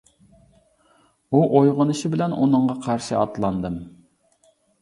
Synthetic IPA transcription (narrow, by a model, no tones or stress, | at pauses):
uʔojʁʊnɨʃibɪlɛnʔṵnɨɴʁɑqʰɑɾʃɨɑt̪lˠɑnd̪ɨm